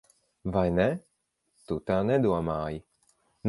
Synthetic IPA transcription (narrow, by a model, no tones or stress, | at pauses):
vajnɛ | t̪ut̪anɛd̪uamaːj | n